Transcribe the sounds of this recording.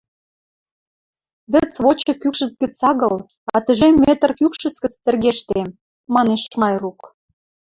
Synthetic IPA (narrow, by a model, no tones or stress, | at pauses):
βə̆t͡sβot͡ɕɤ̆kykʃə̆sɡə̆t͡sɑɣɤ̆l | ɑt̪ə̆ʒemːet̪ə̆rkykʃə̆sɡə̆t͡st̪ə̆rɣeʃt̪e | mɑneʃmɑjruk